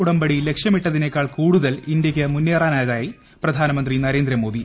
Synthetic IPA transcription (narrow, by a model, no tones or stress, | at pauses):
uɽɐmbɐɽile̞kʂjɐmiʈːɐðine̞ːkːaːɭkuːɽuðɐlindjɐkʲːɐmunːeːraːnaːjɐðaːji | prɐd̪ʱaːnɐmɐnd̪rinɐɾe̞ːnd̪ɾɐmo̞ːd̪i